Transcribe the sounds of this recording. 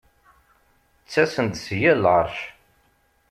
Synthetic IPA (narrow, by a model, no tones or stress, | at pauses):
t͡sːæsənt̪sjælʁəɾˤʃ